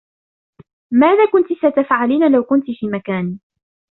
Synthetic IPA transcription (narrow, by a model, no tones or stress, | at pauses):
maːðaːkʊnt̪isat̪afʕaliːnalawkʊnt̪ifiːmakaːniː